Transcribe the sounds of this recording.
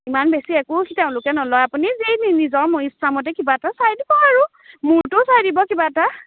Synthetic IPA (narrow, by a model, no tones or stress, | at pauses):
imanbesiɛkʊkiteʊ̃lʊkɛnɔlɔjapunizeninizɔɹmoislamɔt̬ɛkibatasajdibɔaɹʊ | mʊɹtʊsajdibɔkibata